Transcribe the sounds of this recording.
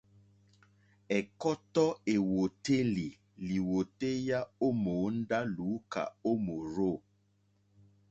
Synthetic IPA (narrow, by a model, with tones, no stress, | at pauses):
ɛ˨kɔ˦tɔ˦e˨wo˨te˦li˨ | li˨wo˨te˦ja˦o˦mo˨˦n̩˦da˦lu˨˦ka̰˨o˦mo˨ɾo˦˨